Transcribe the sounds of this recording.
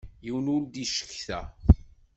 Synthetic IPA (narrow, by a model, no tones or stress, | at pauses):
jiwənʊld̪iʃə̥kːθæ